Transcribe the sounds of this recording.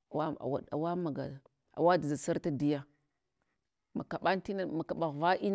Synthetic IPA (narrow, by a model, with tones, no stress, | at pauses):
a˨wa˦a̰˨wa̰˨a̰˨wa˦ma˨ɡa˨ | a̰˨wa˦dza˨sa˦ɾta˦di˦ja˦ | ma̰˨ka˨ɓa˦n˦ti˦na˦ma˨ka˨ɓa˨ɣva˦ʔi˦n